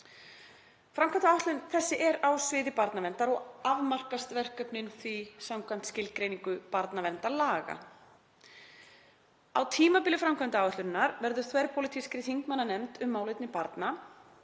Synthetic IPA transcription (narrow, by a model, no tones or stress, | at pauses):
fɾamkʰvamnt̪awaht̪lɪnθɛsːɪʔɛɾawsvɪːðɪpaɾt̪navɛnt̪aɾɔɣavmar̥kast̪vɛr̥kœpnɪnθvisamkʰvɛjm̥t̪scɪlkɾejniŋkʏpaɾt̪navɛnt̪alaːɣa̰ | a̰wt̪ʰiːmapɪːlɪfɾamkʰant̪ɪaːwœht̪ʏɾɪnːaɾvɛɾðʏ̥θvɛjɾ̥pʰowlɪt̪ʰiskɾɪθiŋkmanːanɛmt̪ʏmːaːwlɪt̪nɪpaɾt̪na